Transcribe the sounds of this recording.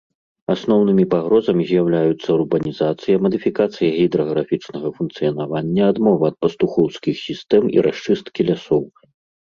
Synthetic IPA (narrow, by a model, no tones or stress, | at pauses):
asnɔwnɨmʲipaɣɾɔzɐmʲizʲjawlʲajut̪sːɐurbɐnʲizat̪sɨjɐmɐd̪ɨfʲikat̪sɨjɐɣʲid̪ɾɔɣɾafʲit͡ʂnɐɣɐfunkt̪sɨjɐnavanʲːɐːd̪mɔvɐɐt̪̚pɐst̪uxɔwskʲixsʲist̪ɛmḭɾʔaʂt͡ʂɨst̪kʲilʲasɔw